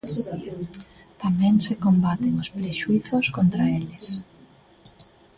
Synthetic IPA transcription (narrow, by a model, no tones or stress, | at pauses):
t̪amɛ̃ŋsekombat̪eŋospɾeʃuiθoskont̪ɾaelɪs